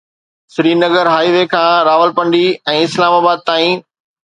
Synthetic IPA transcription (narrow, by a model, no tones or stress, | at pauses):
sɪɾiːnəɡəɾɦaːiʋeːkʰãːɾaːʋəlpɐ̃ɳɖiɛ̃ːɪslaːmaːbaːd̪̚t̪aːĩ